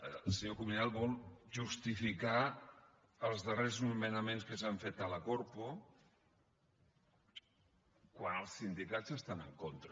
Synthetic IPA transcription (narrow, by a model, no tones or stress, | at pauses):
əlˠsəɲokumunalˠβɔlˠʒust̪ifika | əlˠzðəreznumənəmenskəsaɱfet̪ələkoɾpo | kwanəlˠsind̪ikad͡zəst̪anəŋkont̪ɾə